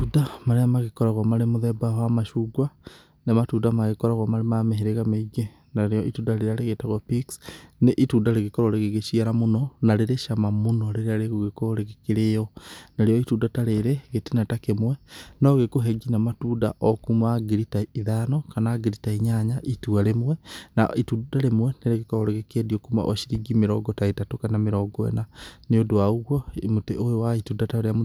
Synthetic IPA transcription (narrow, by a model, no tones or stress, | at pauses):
tudamaɾeamaɣekɔɾaɣwamaɾemoðɛbawamaʃuːɡwa | nematudamaɣekɔɾaɣwamaɾemameɦeɾeɣameiɡe | naɾejɔʔitudaɾeɾeaɾeɣetaɣwapiksneʔituːdaɾeɣekɔɾoɾeɣeɣeʃiaɾamonɔnaɾeɾeʃamamonɔɾeɾeaɾeɣoɣekoɾeɣekeɾeɔnaɾejɔituːdataɾeɾɛɣetenatakemwɛnɔɣekoɦɛɡinamatuda̰ʔɔkumaɡiɾitaiðanɔkanaːɡiɾitaiɲaɲaʔituaɾemwɛna̰itudaɾemwɛneɾeɣekɔɾɔɾeɣekediɔkuma̰ʔɔʃiɾiɡimeɾɔɡɔtaitatokanameɾɔɡɔɛ̰naneodoauɣwɔmotḛʔojowaituːndataeɾeam